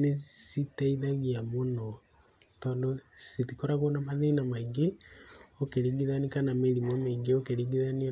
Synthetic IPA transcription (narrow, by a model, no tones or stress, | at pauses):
nesitaiðaɣiamonɔ | tɔːndositikoɾaɣwonamaðeinamaiŋɡe | okeɾiŋɡiðanikanameɾimɔmeːŋɡeokeɾiɡiðania